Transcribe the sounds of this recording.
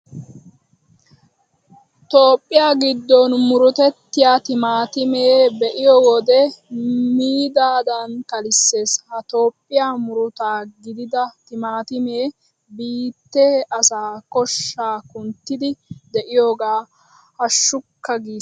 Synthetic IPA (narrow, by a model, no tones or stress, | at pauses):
t̪oːpʼːɪjaːɡɪd̪ːɔnmʊɾʊt̪ɛt̪ːɪjaːt̪ɪmaːt̪ɪmeːbɛʔɪjɔwɔd̪ɛ | miːd̪aːd̪ɐnkɐlɪsːe̞ːshɐt̪o̞ːpʼːɪjaːmʊɾʊt̪aːɡɪd̪ɪd̪ɐt̪ɪmaːt̪ɪmeː | biːt̪ːe̞ːʔɐsaːkɔʃːaːkʊnt̪ːɪd̪ɪd̪ɛʔɪjoːɡaː | hɐʃːʊkːɐɡiː